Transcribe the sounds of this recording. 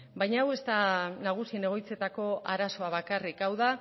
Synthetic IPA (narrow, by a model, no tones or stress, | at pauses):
bajɲaːwe̞st̪anaɣ̞usiene̞ɣo̞jt͡se̞t̪ako̞ʔaɾaso̞aβakarikawða